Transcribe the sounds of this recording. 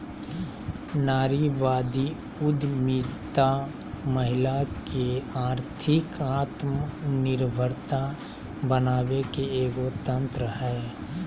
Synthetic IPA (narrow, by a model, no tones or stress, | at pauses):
naːɾiʋaːd̪i | ʊd̪mit̪a | məɦɪlakeaːɾt̪ʰɪkaːt̪mnɪɾbʱəɾt̪a | bənaːʋekeeːɡot̪ə̃nt̪ɾəhɛː